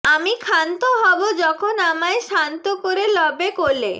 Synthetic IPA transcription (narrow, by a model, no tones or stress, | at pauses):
amikʰant̪oɦɔbod͡ʑɔkʰonamaeʃant̪okoɾelɔbekole